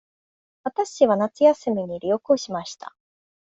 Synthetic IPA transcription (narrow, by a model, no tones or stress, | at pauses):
βat̪aɕiβ̞anat͡sɨjasɨmʲiɲ̟iɾʲio̞kɯoɕimaɕi̥t̪ʰa̰